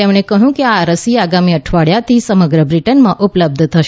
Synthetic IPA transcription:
emɽ̃ekəɦjũkeaɾəsiaɡamiəʈʰʋaɭjat̪ʰisəməɡɾəbɾiʈənmãʔupləb̚d̪ʱt̪ʰəʃ

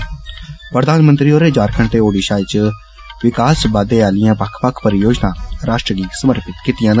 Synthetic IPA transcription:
pɾəd̪aːnmə̃nt̪ɾiːoːɾeːd͡ʒaːɾkʰəɳʈeːoːɖiːʃaːɪt͡ʃ | ʋɪkaːsbaːd̪eːaːlɪjãːpəkʰpəkʰpəɾɪjoːd͡ʒnãːɾaːʃʈɾəɡiːsəməɾpɪt̪kɪt̪ɪjãːnə

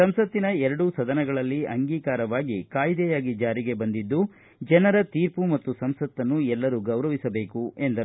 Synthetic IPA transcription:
sɐmsɐt̪ːinɐɛɾɐɽusɐd̪ɐnɛɡɐɭɐlːiɐŋɡiːkaːɾɐʋaːɡikaːjd̪ɛjaːɡid͡ʒaːɾiɡe̞bɐnd̪id̪ːu | d͡ʒɛnɐɾɐt̪iːɾpumɐt̪ːusɐmsɐt̪ːɐnːuɛlːɐɾuɡɐwɾɐʋisɐbe̞ːkuend̪ɐ

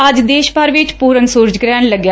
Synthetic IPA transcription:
əd͡ʒd̪eːʃpəɾʋɪt͡ʃpuːɾənsuɾd͡ʒɡɾɛːɳləɡjaː

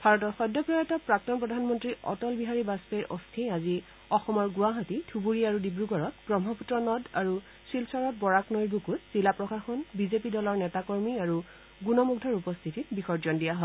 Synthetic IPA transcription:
bʱaɹɔtɔɹxɔdːɔpɹɔjɛtapɹak̚tɔnpɹɔdʱanmɔntɹiʔɔ̰tɔlbiɦaɹibaspeɹʔo̰stʰiazi | ɔxɔmɔɹɡuaɦatitʰubuɹiaɹudibɹuɡɔɹɔtɡɹɔmɦɔputɹɔnɔda̰ɹu | silsɔɹɔt̚bɔɹaknɔjbʱukutz̥ilapɹɔkaxɔnbizepidɔlɔɹnɛtakɔɹmiaɹu | ɡunɔmuɡ̚dʱɔɹupɔst̪ʰititbixɔɹzɔndijaɦɔ

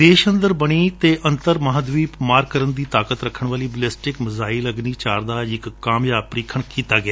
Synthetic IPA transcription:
d̪eːʃənd̪əɾbəɽ̃iːt̪eːʔə̃nt̪əɾməɦaːd̪ʋiːpmaːɾɡkəɾənd̪iːt̪aːkət̪ɾəkʰəɳ̃ʋaːliːbəlɛːsʈɪkməzaːiləɡniːt͡ʃaːɾd̪aːɪkːaːmjaːpɾiːkʰəɳkiːt̪aːɡɪaː

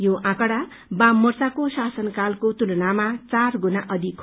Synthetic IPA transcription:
joʔãkʌɽa | bãmʌrt͡sakosasʌnkalkot̪ulonamat͡sarɡunaʔʌd̪ʱikʰ

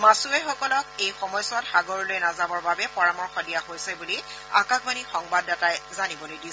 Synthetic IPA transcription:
masuɛxɔkɔlɔkejxɔmɔjsɔtxaɡoɹilojnazamɔɹbabɛpɔɹamɔɹxɔdijaɦojsɛbuli | a̰kakbanixɔŋbadːatajzanibɔlojdi

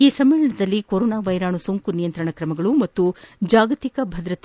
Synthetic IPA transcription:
iːsɐmːɛːɭɐɳɐd̪ɐlːikoɾoːnaːʋɐjɾaːɳusoːŋkunijɐnt̪ɾɐɳɐkɾɐmɐɡɐɭumɐt̪ːud͡ʒaːɡɐt̪ikɐbʱɐd̪ɾɐt̪

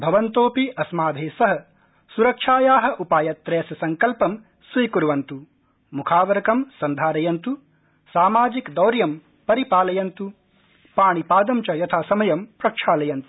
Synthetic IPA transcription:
bʱɐʋɐnt̪oːpiɐsmaːd̪ʱeːsɐɦɐ | suɾɐkʂaːjaːɦɐ̆ʔupaːjɐt̪ːɾeːsɐsɐŋkɐlpɐm | sʋiːkuɾʋɐnt̪u | mukʰaːʋɐɾɐkɐmsɐnd̪ʱaːɾɐjɐnt̪u | saːmaːd͡ʒikd̪ɐwɾjɐm | pɐɾipaːlɐjɐnt̪u | paːɳipaːd̪ɐmt͡ʃɐjɐt̪ʰaːsɐmɐjɐmpɾɐkʂaːlɐjɐnt̪u̥

